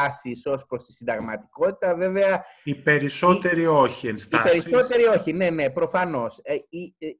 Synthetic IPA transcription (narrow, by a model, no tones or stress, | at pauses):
siso̞spɾost̪i̥sind̪ɐɣmɐt̪i̥ko̞t̪i̥t̪ɐve̞ve̞ɐipe̞ɾiso̞t̪e̞ɾio̞çienstiɐpeɾiso̞t̪e̞ɾio̞çine̞ne̞pɾo̞fɐno̞si